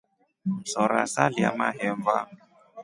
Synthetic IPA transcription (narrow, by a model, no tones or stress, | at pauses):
sɔɾa̰salia̰maɦɛɱva